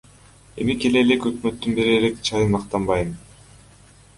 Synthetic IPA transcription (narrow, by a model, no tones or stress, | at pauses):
e̞̰mike̞le̞lekø̞kmø̞t̪ːynbe̞ɾelekt͡ʃʰɑjɯnɑqt̪ɑmbɑjmɯn